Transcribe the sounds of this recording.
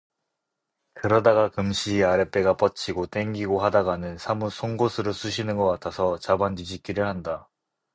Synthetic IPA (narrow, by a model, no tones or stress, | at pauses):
kɯɾʌdaɡakɯmɕʰiːaɾe̞p͈e̞ɡap͈ʌt͡ɕʰiɡot͈e̞ŋɡiɡoɦadaɡanɯnsʰamusʰoŋɡosʰɯɾosʰuɕʰinɯnɡʌk͈atʰasʰʌt͡ɕabandid͡ʑik͈iɾɯɭhanda